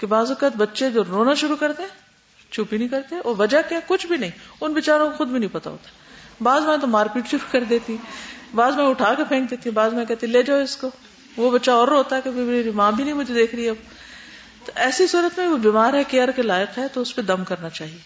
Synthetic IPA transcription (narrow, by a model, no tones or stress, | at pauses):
kebaːzɔkːət̪bɐtːʃed͡ʒoːɾoːnaʃʊɾukɐɾt̪eɦɛ̃ː | t͡ʃʰuːpinɐ̃ɦĩkɐɾt̪eɦɛ̃ʔɔːɾʋɐd͡ʒakakʊt͡ʃʰbʱinɐɦĩʊnʋɪt͡ʃaːɾõkoxʊd̪bʱinɐ̃ĩpɐt̪a̰ɦo̰ːt̪aɛbaːzmɛ̃ːt̪̬omaːɾpiːʈʃʊɾukɐɾd̪eːt̪iɛ̃baːzmɛ̃ʊʈʰaːkepʰẽːk̚d̪eːt̪iɦɛ̃baːzmɛ̃kɛːt̪eɛ̃leːd͡ʒaːoɪsko | ʋobɐtːʃaɔːɾoːt̪aɦɛkebimeeɾimãːbʱinɐ̃ɦĩmʊd͡ʒʱed̪eːkʰɾɐiɐb | t̪oʔɛːsisuːɾət̪mẽʋobiːmaːɾɦɛkeɐɾkelaːɪqɦɛt̪oʊsped̪ɐmkɐɾnat͡ʃaːɦieː